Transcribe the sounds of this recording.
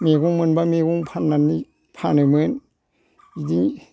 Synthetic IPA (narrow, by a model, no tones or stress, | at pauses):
meɡuŋmɯnbameɡuŋpʰanːanːi | pʰanɯmɯn | idiŋ